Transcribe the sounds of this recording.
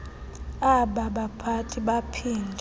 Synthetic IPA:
aɓaɓapʰatʰiɓapʰiːndʱ

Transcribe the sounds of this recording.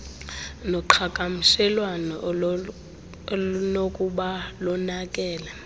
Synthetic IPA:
nɔǃʰakʼam̩sɛlwanɔ | nokʼuɓalɔnakʼɛːla

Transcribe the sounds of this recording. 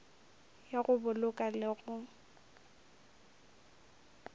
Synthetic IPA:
jaɣʊbʊlʊkʼalɪɣʊ

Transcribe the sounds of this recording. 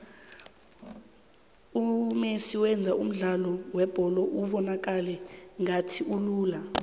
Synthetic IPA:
umesiwɛnd͡zʱaʔum̩ɮalɔwɛb̥ʱɔlɔʔuɓɔnak̬ʼalɛŋatʰiuluːla

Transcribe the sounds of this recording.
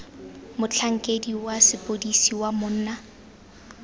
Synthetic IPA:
mʊt͡ɬʰaŋ̩kʼediwasɪpʼodisiwamʊn̩ːna

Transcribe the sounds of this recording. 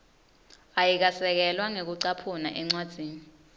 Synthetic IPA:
ajik̬asɛk̬ɛlwaŋek̬uǀapʰuna̰ʔɛŋ͡ǀwad̥z̥ʱiːni

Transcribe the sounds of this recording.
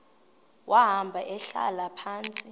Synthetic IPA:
wʔaɦambʱaʔɛɬa̰lapʰaːnt͡sʼi

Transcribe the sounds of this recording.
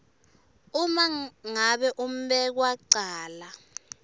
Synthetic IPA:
umaŋaɓɛʔum̩ɓɛk̬waǀaːla

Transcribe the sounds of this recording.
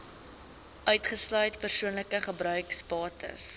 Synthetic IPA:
ʔœɥtχəslœɥtpərsuənləkəχəbɾœɥkspɑːtʰə̰s

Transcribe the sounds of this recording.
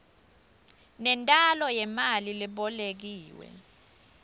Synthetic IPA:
nɛntʼalɔjɛmalilɛɓɔlek̬iːwɛ̰

